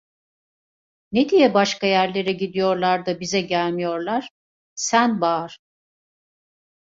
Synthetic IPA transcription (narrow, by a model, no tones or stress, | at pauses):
ned̪ijɛbaʃkajæɾlʲe̞ɾɛɟid̪ijo̞ɾlˠaɾd̪abizɛɟælʲmijo̞ɾlˠaɾ̥ | sænbaːɾ̥